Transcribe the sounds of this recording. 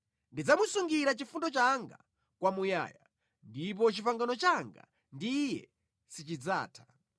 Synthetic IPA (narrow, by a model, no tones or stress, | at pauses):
ndid͡zamusuŋɡiɾat͡ʃifundɔt͡ʃaŋɡa̰ | kwamuja̰ːja | ndip̬ɔt͡ʃipaŋɡanɔt͡ʃaŋɡa̰ | ndijɛ̰ | sit͡ʃid͡za̰ːtʰḁ